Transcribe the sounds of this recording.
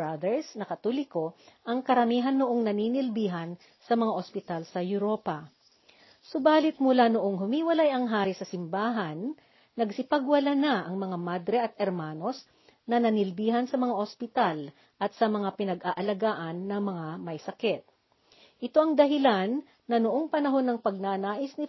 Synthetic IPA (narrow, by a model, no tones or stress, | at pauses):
ad̪ɛɹsnɐkɐt̪olɪko̞ʔɐŋkɐɾɐmiːɦɐnːoʔoŋnɐniːnɪlbiːɦɐn | sɐmɐŋaʔospɪt̪alsɐjʊɾo̞ːpɐ | sʊbaːlɪt̪̚mʊlanʊʔoŋɦʊmiːwɐlajɐŋɦaːɾɪsɐsɪmbaːɦɐnː | ɐɡsɪpɐɡwɐlanaʔɐŋmɐŋamad̪ɾɛʔɐt̪̚ʔɛɾmaːno̞s | nɐnɐnɪlbiːɦɐnsɐmɐŋaʔospɪt̪al | ʔɐt̪sɐmɐŋapɪnɐɡʔaʔɐlɐɡaːʔɐnːɐŋmɐŋamɐjsɐkɛt̪̚ | ʔɪt̪o̞ʔɐŋd̪ɐɦɪlanː | ɐnʊʔo̞ŋpɐnɐɦo̞nːɐŋpɐɡ̚nanaːʔɪsnɪ